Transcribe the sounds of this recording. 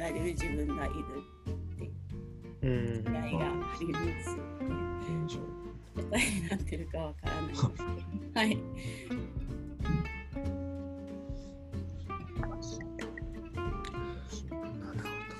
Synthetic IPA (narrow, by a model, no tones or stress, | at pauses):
aɾɯɯʑibɯ̟̃ŋɡaʔiɾɯt̪t̪ːe̞ | sɨɾaiɡaːɾʲimat͡s | kot̪aiɲnat̪ːeɾɯ̟kaβakaɾa̰namashai